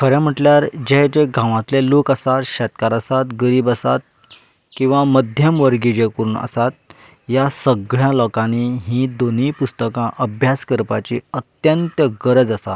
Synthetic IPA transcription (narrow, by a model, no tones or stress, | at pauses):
kʰəɾɛ̃m̤əʈljaɾd͡ʑed͡ʑeɡʱãʋãt̪lelokəsat̪ɕɛt̪kaɾəsat̪ɡəɾiːbəsa̰t̪̚ | kĩw̃ʋaməd̪ʱjəmʋəɾɡid͡ʑekəɾuːnə̰sat̪̚ | jasəɡɭjalɔkãniɦĩːd̪onipust̪əkãʔəbʱjaskəɾpat͡ɕḭːət̪jənt̪əɡəɾəd͡zəsa̰